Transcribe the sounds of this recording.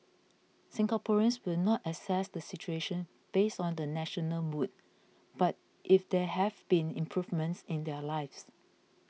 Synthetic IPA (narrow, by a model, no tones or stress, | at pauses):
sɪ̃ŋɡapʰɔɹə̃nswɪlnɔtɛsɛsdəsit͡ʃueʃə̃n | b̥esɔ̃ndənɛʃɔnəlmud̚ | b̥at̚ | ʔɪfdɛhɛvbĩnḭ̃mpʰɹuvmə̃ntsɪ̃ndɛlaɪfs